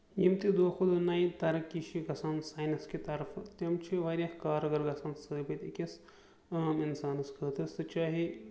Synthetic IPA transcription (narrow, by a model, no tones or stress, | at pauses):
jimt̪id̪oːxʰud̪naːit̪ɐɾɐkːiʃiɡɐsaːnsaːjnɐskit̪ɐɾfʰt̪ɐmt͡ʃʰiʋaːɾʲjakaːɾɐɡɐɾɡɐsaːnsɐd̪ibɐt̪ikis | ɐminsaːnɐskɐːt̪ɐsɨt͡ʃaːɦi